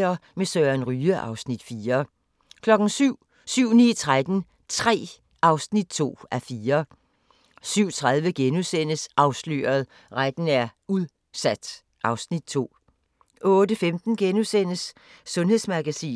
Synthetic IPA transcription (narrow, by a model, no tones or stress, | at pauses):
ɐmesœːɐnʁyːəʔɑ̈ʊsnid̥fiːɐ | kʰlɒ̽ɡ̥n̩syʊ̰ | syʊ̰nḭːt͡sʰʁad̥n̩ | t͡sʰʁɛ̰ː | ʔɑ̈ʊsnid̥̚t͡sʰo̝̰ːæfiːɐ | syʊ̰t͡sʰʁað̞ˠʋəɡ̥enusen̰əsʔɑ̈ʊslø̰ːɐð̞ˠ | ʁad̥n̩æɐ | uðˠ | sæd̥ | ʔɑ̈ʊsnid̥̚t͡sʰo̝̰ː | ʔɔ̽ːd̥əfemd̥n̩ɡ̥enusen̰əsː | ɔ̽nhe̝ðˠsmɑɡ̥æsḭː